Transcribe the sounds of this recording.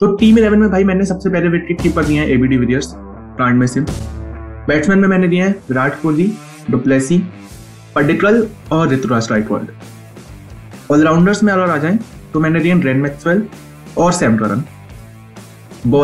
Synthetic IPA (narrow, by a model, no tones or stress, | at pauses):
t̪oʈiːmɪlɛːʋənmẽbʱaːimɛ̃ːnesɐbsepɛɦleʋɪkɪʈ̚kiːpəɾd̪iɦɛ̃ʔeːbiːɖiːʋɪɾiəɾs | pɾãːɪ̃ɳɖmesɪn | bɛːʈsmɛ̃ːnmẽmɛ̃ːned̪iɦɛ̃ɾaːʈʰkoːli | ɖʊplɛːsi | pɐɖɪʈɾəlɔːɾːɪt̪ɾuɾaːsʈɾaːɪʈʋə̰lɖ | ɔːlɾaːʊ̃ɳɖəɾsmẽɐɾɔɾaːd͡ʒaːẽːt̪omɛ̃ːned̪iːɦɛ̃ɾeːnmɛksʋɛl | ɔːɾsɛ̃ːmʈɾə̰ɾə̰n | bɔː